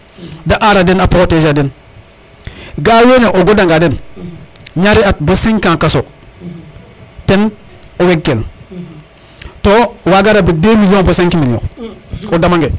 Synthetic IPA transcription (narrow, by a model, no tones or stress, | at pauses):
daʔaɾadenapɾoteaden | ɡawoneʔoɡodaŋɡaden | ɲaɾiat̚bosĩŋkãkaso | ten | oweɡːel | towaɡaɾabidemilõnbosẽŋkimino̰odamaŋɡe